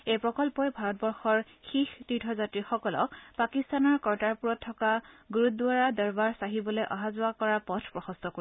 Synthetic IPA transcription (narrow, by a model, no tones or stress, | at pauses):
ejpɹɔkɔlpɔjbʱaɹɔt̚bɔɹxɔɹ | xixtitʰɔzatɹixɔkɔlɔ̰kpakist̪anɔɹkɔɹtaɹpuɹɔtʰːɔkaɡuɹut̚dʊaɹadɔɹbaɹsaɦibɔlojʔɔɦazʊakɔɹaɹpɔtʰpɹɔxɔstɔko